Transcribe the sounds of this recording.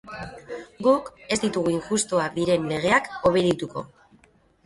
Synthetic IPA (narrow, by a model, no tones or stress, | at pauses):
ɡuke̞zd̪it̪uɣ̞uiŋʝust̪oaðiɾe̞nle̞ɣ̞e̞ako̞β̞e̞ðit̪uko̞̰